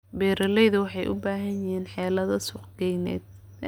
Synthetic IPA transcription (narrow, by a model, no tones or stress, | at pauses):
bɛːɾɐlɛjðʊwɑħɑjʔʊ̰baːɦɐɲɪhiːnħɛːlɐðɐsʊqɡɛjnɛ̰ːd̪̚